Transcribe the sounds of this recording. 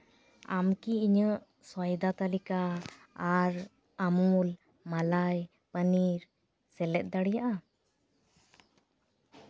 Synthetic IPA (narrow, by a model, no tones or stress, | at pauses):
a̰mkiiɲəʔ | sɔjd̪at̪alikaː | ɾ | amul | malaj | pəniɾ | sɛlɛt̪̚ˀd̪aɽijaʔa